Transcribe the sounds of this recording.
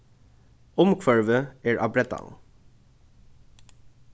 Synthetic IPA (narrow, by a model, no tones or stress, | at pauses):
ɔmkʰʋœɹʋəeːɹʔɑ̰bɾɛt̪ɑ̰n